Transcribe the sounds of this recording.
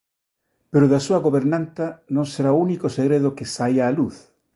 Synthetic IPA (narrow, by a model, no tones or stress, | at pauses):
peɾʊðasuɐɣoβeɾnãnt̪anõŋseɾaounikoseɣɾeðʊkɪsajaːluθ